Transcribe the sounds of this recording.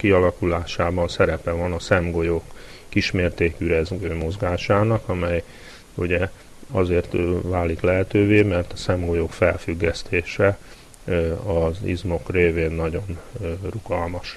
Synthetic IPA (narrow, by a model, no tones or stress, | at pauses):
kiɒlɒkulaːʃaːbɒnsɛɾɛpɛvɒnɒsɛmɡo̞jokː | iʃmeːrt̪eːkyɾɛzɡøːmo̞zɡaːʃaːnɒkɒmɛj | uɟɛ | ɒzeːrt̪vaːliklɛɦɛt̪øːveːmɛrt̪ɒ̥sɛmɡo̞jokfɛlfyɡːɛst̪ʰeːʃɛ | ɒzḭzmo̞kreːveːnːɒɟo̞nruɡɒlmɒʃ